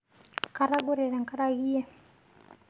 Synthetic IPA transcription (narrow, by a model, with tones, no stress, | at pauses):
ka˨ɾa˦ɡɔ˦ɾɛ˨ɾɛ˨ŋka˦ɾa˦ɣi˦ɛ˦